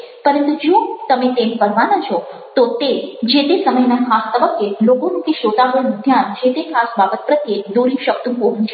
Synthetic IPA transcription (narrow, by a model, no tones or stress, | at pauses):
pəɾənt̪ũd͡ʒũt̪əmet̪emkəɾʋanat͡ʃʰɔ | t̪ot̪ed͡ʒet̪esəməjnakʰast̪əbəkːelokonũkeʃot̪abənũd̪ʱjand͡ʒet̪ekʰasbabət̪̚pɾət̪jed̪oɾiʃək̚t̪ũpoɦũt͡ʃʰe